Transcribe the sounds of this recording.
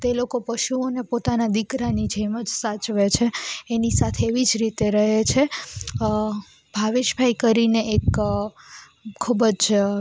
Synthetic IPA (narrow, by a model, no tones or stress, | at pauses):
t̪elokopəʃuonepot̪anad̪ikɾanid͡ʒeməd͡ʒsat͡ʃʋet͡ʃʰeːnisat̪ʰeːʋid͡ʒɾit̪eɾəɦet͡ʃʰe | bʱaʋɪʃbʱaikəɾineʔek | kʰːubəd͡ʒ